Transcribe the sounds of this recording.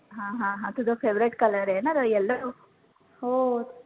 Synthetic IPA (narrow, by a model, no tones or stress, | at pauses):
ɦãːɦãɦãt̪ud̪opʰeʋɾeʈkɐlɐɾeːnɐd̪ɐɛlːɐɾu | ho